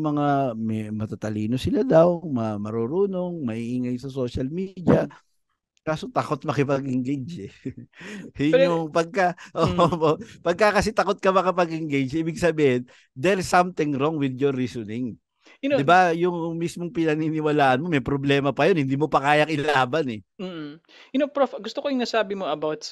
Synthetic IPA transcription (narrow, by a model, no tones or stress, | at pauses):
mɐŋamɛmɐt̪at̪ɐliːnosɪlad̪ɐwmɐmɐɾoɾuːno̞ŋmɐʔiːʔiŋajsɐso̞ʃɐlmid̪jɐ | kaːsot̪ɐkot̪̚mɐkɪpɐɡɪŋɡejd͡ʒɛ | ʊoŋpɐɡ̚kɐʔooopɐɡ̚kːakɐsɛt̪ɐko̞t̪̚kɐmɐkɪpɐɡʔɪŋɡejd͡ʒiːbɪɡsɐbiːhɪn | d̪ɛɹsɐmt̪ɪŋɾoŋwɪd̪joɾːisonɪŋ | ɪnod̪ɪbajʊŋmismoŋpɪnɐninɪwɐlaːʔɐnmo̞mɛjpɾoblɛːmɐpɐjonhɪnd̪iːmo̞pɐkaːjɐkʔɪlaːbɐnɛm̩ː | ʔɪnopɾofɡʊst̪okojʊŋnɐsaːbɪmoɐbawt̪